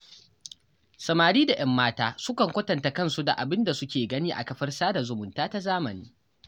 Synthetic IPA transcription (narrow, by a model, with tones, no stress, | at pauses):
sɐ˨maː˨ɽiː˦da˨j̰ɐ˦mːaː˦taː˦sʊ˦kɐ˨ŋkʷɐ˦tɐ˨nta˨kɐ˦nsu˦da̰˨ʔa˨bɪ˦nda˨sʊ˦kʲeː˨ɡɐ˦niː˦ʔa̰˨kɐ˨ɸɐ˦rsaː˦da˨zʊ˨mʊ˨ntaː˦ta˦zaː˦mɐ˨niː˦